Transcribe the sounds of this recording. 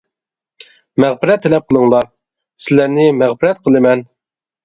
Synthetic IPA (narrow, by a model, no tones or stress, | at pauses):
mæʁbɪɾɛt̪ʰːɛlɛp̚qʰəlˠəŋlˠɑɾ | sɪlæɾnɪmæʁbɪɾɛt̪̚qʰəlˠɨmɛn